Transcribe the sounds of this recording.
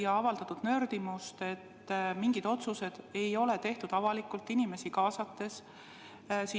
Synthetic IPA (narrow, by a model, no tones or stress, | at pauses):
jɑɑvɑld̪ɑt̪ːˑud̪̥nø̞rd̪̥imust̪e̞t̪ːmiŋɡ̥id̪̥o̞t̪suse̞d̪̥e̞jo̞let̪e̞ht̪ud̪ɑvɑlikˑult̪ːˑinime̞sikɑːsɑt̪ːe̞s | si